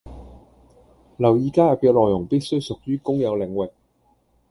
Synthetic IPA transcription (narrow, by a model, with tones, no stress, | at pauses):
lɐ˨˩wjiː˨kaː˥jɐ˨p̚kɛː˨˧w̚lɔː˨˩jʊ˨˩ŋpiː˥t̚sɵ˥ɥjsʊ˨k̚jyː˥kʊ˥ŋjɐ˨˧wlɪ˨˧ŋwɪ˨k̚